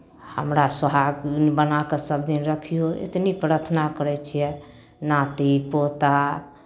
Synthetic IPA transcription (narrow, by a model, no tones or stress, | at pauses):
həmɾasəɦaɡbənakesəb̚d̪inɾəkʰijoḛt̪nipɾəɾt̪ʰənakəɾɛt͡ʃʰijɛ | nat̪ipot̪a